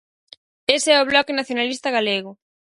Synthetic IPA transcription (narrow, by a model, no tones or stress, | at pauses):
eseɛoβ̞lɔkenaθjonalist̪ɐɣaleɣʊ